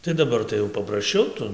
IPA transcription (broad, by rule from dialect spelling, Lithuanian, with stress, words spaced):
tɐɪ dɐˈbɐr tɐɪ jɛʊ pɐprɐsʲˈt͡ʃʲɛʊ ˈtʊ